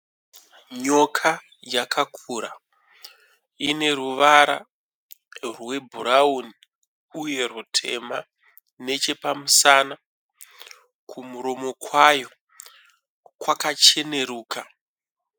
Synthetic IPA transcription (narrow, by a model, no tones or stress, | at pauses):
ɲo̞kʰa | jakʰakʰuɾa | ine̞ruʋaɾa̰ | rwe̞bʱuɾauni | uje̞rutʰe̞̰ma | ne̞t͡ʃe̞pamusana | kʰumuɾo̞mo̞kwajo̞ | kwakat͡ʃe̞ne̞ɾuːka